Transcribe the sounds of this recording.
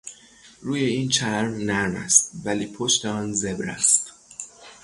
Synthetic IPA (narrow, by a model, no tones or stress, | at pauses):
ɾuːje̞iːnt͡ʃʰæɾmnæɾmæ̰st̪̚væliːpʰo̞ʃt̪eɒːnze̞bɾæ̰st̪